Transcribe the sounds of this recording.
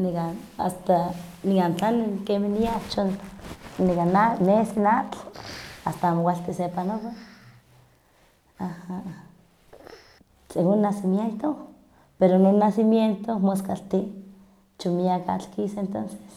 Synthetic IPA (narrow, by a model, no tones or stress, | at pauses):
nika | a̰st̪anikant͡ɬanikemihniat͡ʃonnikananesinat͡ɬ | ast̪aamokʷaɬt̪isepanoβa | aha | senonːasimjent̪o | peɾononːasimjent̪omoskalt̪i | t͡ʃomiaka̰t͡ɬkisent̪onse̥s